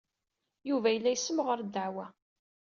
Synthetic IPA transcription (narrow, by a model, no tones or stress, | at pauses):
juvæjəlːæjsːəmʁəɾd̪əʕwæ